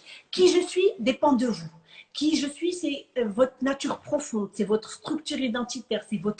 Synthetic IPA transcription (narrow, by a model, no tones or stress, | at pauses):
kʲiʒəsɥid̪epɑ̃d̪əvukʲiʒəsɥisɛvɔt̪χnat̪yʁpχɔfɔ̃d̪sɛvɔt̪χəst̪χyk̚t̪yʁid̪ɑ̃t̪it̪ɛʁsɛvɔt̪